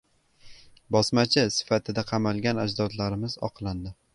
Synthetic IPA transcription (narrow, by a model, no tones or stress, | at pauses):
bɒsmat͡ʃʰɪsɪ̥fat̪ʰɪd̪aqʰɑmalˠɡʲanad͡ʒd̪ɒt̪laɾɪmɪzɒ̰qʰlˠand̪ɪ